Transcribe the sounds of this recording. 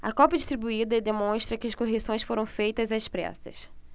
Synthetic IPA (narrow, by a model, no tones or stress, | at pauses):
ɐ̰kɔpɐd͡ʒiʃt̪ɾibuid̪ɐd̪emõʃt̪ɾɐkɪɐskoɦesõj̃sfoɾɐ̃w̃fejt̪ɐzɐspɾɛ̰sɐ̰s